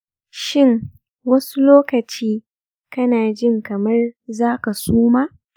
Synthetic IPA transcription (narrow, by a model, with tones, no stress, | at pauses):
ʃɪ˦˨ŋ | wɐ˦su˦loː˦kɐ˨t͡ʃiː˦ | kɐ˦naː˨d͡ʒɪ˦ŋkɐ˨mɐ˦rzaː˦ka˨suː˦maː˦˨